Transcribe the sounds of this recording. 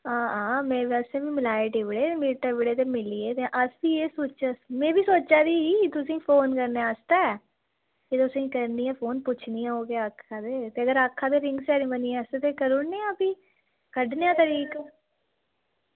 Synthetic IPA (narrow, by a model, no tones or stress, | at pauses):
ãːãːmɛ̃ːʋɛːseːʋĩːmɪlaːeʈiːʋɪɽeːemiːʈəɾʋɪɽeːt̪eːmɪliːeːt̪eʔəsbiːeːsoːt͡ʃəsmẽːbiːsoːt͡ʃaːd̪iːit̪ʊsĩːpʰoːnkəɾneːast̪aɛ | ket̪ʊsĩːkəɾniːɛ̃ːpʰoːnpʊt͡ʃʰniːãːɦoːɡeaːəkʰːaːd̪eːt̪eːəɡəɾakʰːaːd̪eːɾɪ̃ŋɡsɛːɾĩːbəniːɛ̃ːəset̪eːkəɾʊɽneːãːpiː | kəɖneːãːt̪əɾiːkː